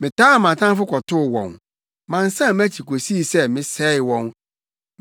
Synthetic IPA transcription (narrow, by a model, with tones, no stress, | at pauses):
mɪ̃˨tʰaː˦˨mã˨tʰã˦fʊ˦kʰɔ˨tʰʊ˦˨wɔ̰̃˨n | mã˨n˦sã˦˨m˦æ˦t͡ɕʰi˨kʰo˨si˦˨sɛ˦mɪ̃˦sɛ˦ɪ˨wɔ̃˨n